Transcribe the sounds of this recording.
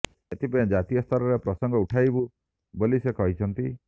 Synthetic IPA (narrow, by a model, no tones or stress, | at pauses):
et̪ʰipãd͡ʒat̪ijɔst̪ʰɔɾɔɾepɾɔsɔŋɡɔuʈʰajbu | bolisekɔɦit͡ʃʰɔnt̪i